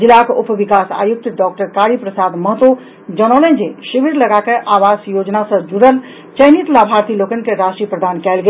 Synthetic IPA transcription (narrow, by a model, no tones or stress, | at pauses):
d͡ʒilakʊpʋikaːsa̰ːjuk̚t̪ɖɔːk̚ʈəɾkaɾipɾəsaːd̪məɦət̪o | d͡ʒənolẽd͡ʒeʃiʋiɾləɡakeʔaːʋaːsjoːd͡ʒnasə̃d͡ʒuɽəl | t͡ʃəjnit̪labʱaːɾt̪iloːkənkeɾaʃʈɾiəpɾəd̪ʱaːnkɛːlɡe